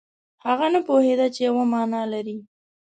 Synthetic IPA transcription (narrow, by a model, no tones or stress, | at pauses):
haɣanapohed̪at͡ʃejawamɑnɑlaɾi